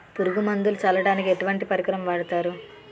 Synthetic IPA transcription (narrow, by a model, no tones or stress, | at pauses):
puɾuɡumɐnd̪ulut͡ʃɐlɐɽaːnikieʈuʋɐɳʈipɐɾikɾɐmɐʋaːɽɐt̪aːɾu